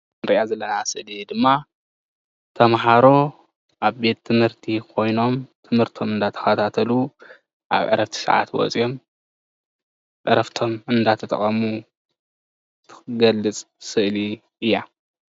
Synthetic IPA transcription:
nɾiʔazɐlːɐnasɨʔlid̪ɨmːa | t̪ʰɐmħaɾo̞ | ʔaβbe̞t̪ʰːɨmhɨɾt̪ʰikʰo̞jno̞mt̪ʰɨmhɨɾt̪ʰo̞mɨnd̪at̪ʰɐ̥xɐt̪ʰat̪ʰɐlu | ʔa̰βʕɨɾʔɐft̪ʰi̥sɐ̰ʕa̰t̪wɔ̰t͡sʼijo̞m | ʔʼɨɾɐft̪ʰo̞mɨnd̪at̪ʰɐt̪ʼɐ̰χʼɐmu | t̪ʰɨ̥ɨɡɐlːɨt͡sʼ | sɨʔli | ɨjːa

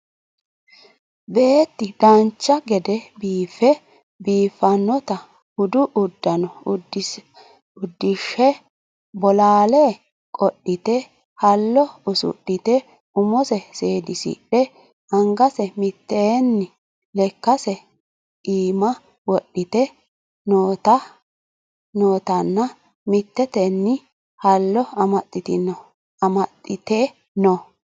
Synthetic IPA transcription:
be̞ːt̪ːɪd̪ɐnt͡ʃːɐɡɛd̪ɛbiːfɛ | biːfːɐnːɔt̪ɐ | hʊd̪ʊʔʊd̪ːɐnɔ | ʊd̪ːɪʃːɛ | bɔlaːleː | kʼɔɗːɪt̪ɛ | hɐlːɔʊsʊ̰ɗːɪt̪ɛ | ʊmɔsɛseːd̪ɪsḭɗɛ | ɐŋɡɐsɛmɪt̪ːenːɪ | lɛkːɐsɛ | iːmɐ | wɔɗːɪt̪ɛ | noːt̪ɐ | noːt̪ɐnːɐ | mɪt̪ːɛt̪ɛnːɪ | hɐlːɔɐmɐt̪ʼːɪt̪ɪnɔ | ɐmɐt̪ʼːɪt̪eː | nɔ

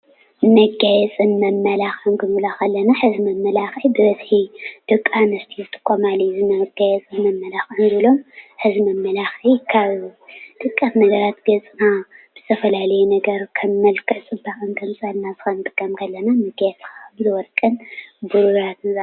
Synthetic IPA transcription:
mɐɡajɛt͡sʼɨnmɐmːɐlaxʔɨnkɨnɨlaxɐlːɐnaħɨzimɐmːɐlaxʕibɨβɐzħid̪̥ɨkʼːanɐst̪ʰit̪ʰʼɨ̥kʼːomalizɨmɐɡajɛt͡sʼɨnmɐmːɐlaxʔɨnd̪ɨɨlo̞mħɨzimɐmːɐlaxʕikʰaβd̪̥ʼɨkʼːat̪nɐɡɐɾat̪ɡɐt͡sʼnabɨz̥ɨ̥t̪ʰɐfɐlalɐjunɐɡɐɾkʰɐmːɐlkʰɐt͡sʼɨbakʼɨnkʰɐmt͡sʼɐlnazɨxɐnd̪ʼɨkʼːɐmkʰɐlːɐnamɐɡajɛt͡sʼkabɨzɨwɔlkʼɨnbuɾuɾat̪nza

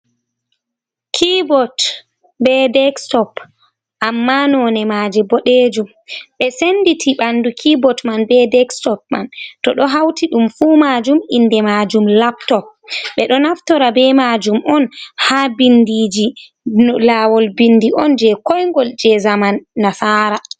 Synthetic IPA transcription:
kʰibɔt | bɛdɛkstɔp | ʔamːanɔnɛmad͡ʒɛbɔɗed͡ʒum | ɓɛsenditʰiɓandukʰibɔtmanbɛdɛkstɔp̚ma̰ntɔɗɔɦawtiɗumfuːmad͡ʒuminːdɛmad͡ʒumlaptɔp̚ɓɛɗɔnaftɔɾabɛmad͡ʒumʔɔnhaːbindid͡ʒi | laːwɔlbindiʔɔnd͡ʒɛkɔjŋɡɔld͡ʒɛzamanːasaːɾa

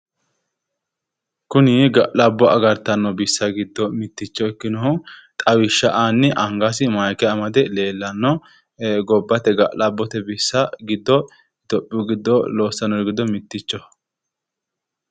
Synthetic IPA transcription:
kʊnɪɡɐʔlɐbːɔɐɡɐɾt̪ːɐnːɔbɪsːɐɡɪd̪ːɔmɪt̪ːɪt͡ʃːɔɛkːɪnɔt̪ʼɐwɪʃːɐʔanːɪʔɐŋɡasɪmajkɛɐmɐd̪ɛle̞ːlːɐnːɔ | ɡɔbːɐt̪ɛɡɐʔlɐbːɔt̪ɛbɪsːɐɡɪd̪ːɔ | d̪̥ɔpʼːɪɡɪd̪ːɔloːsːɐnːɔɾɡɪd̪ːɔmɪt̪ːɪt͡ʃːɔ

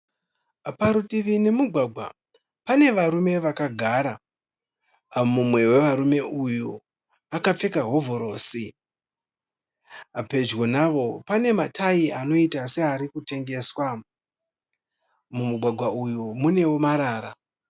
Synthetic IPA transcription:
paɾutiʋine̞muɡʱwaɡʱwa̰ | pane̞ʋaɾume̞ʋakaɡʱaːɾa | mumwe̞we̞ʋaɾume̞ʔuju | akap͡fe̞kaɦo̞vʱo̞ɾo̞ːsi | ape̞d͡ʒɣonaʋo̞pane̞matʰaiano̞itase̞aɾikute̞ŋɡe̞swa | mumuɡʱwaɡʱwaujumune̞womaɾaːɾa

